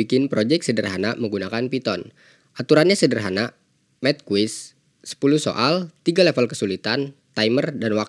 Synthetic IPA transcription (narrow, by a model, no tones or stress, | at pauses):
ikɪnpɾod͡ʒɛk̪̚sədərɦanaməŋɡunakanpit̪ɔn | ʔat̪uɾanɲasədərɦana | mɛt̪̚kuwɪsː | ə̥puluso̰ʔalt̪iɡalefəlkəsulit̪ant̪ajmərdanwak